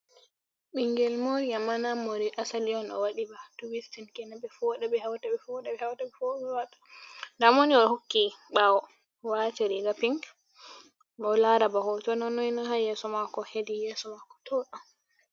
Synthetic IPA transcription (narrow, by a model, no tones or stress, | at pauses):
ɓiŋɡɛlmoɾijamanamːoɾiʔasaliɔnɔ̰waɗibatuwistinkɛnabɛfɔɗɛbɛhawtabɛfɔɗɛɓɛhawtabɛfɔɓɛwatḁdamoniɔhokːiɓawɔ | wat͡ʃiɾiɡapiŋk | bɔlaɾabahɔt͡ʃɔnɔnɔjnaɦajɛsɔmakɔhedijɛsɔmakɔ̥tʰɔɗɔ